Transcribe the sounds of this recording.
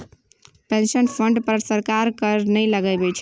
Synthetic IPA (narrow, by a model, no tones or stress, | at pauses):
pẽnsənpʰəɳɖpəɾsəɾkaɾkəɾnəjləɡəbɛt͡ʃʰ